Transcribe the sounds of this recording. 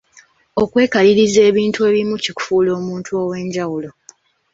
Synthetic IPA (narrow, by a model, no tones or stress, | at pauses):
o̞kwe̞ːkaliɾize̞ːβiːntue̞ːβimuciku̥fuːlo̞ːmuːntʰuo̞ːwe̞ːɲɟawulo̞